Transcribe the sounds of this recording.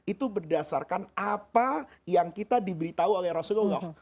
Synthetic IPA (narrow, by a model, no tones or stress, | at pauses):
it̪ubərdasa̰rkanapajaŋkit̪adibəɾit̪auaɡaɾɔsɡoɡɔ